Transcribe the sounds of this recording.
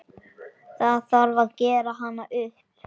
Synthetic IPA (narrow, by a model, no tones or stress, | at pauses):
θaðθaɾvaðcɛːɾaɦanːaʔʏhp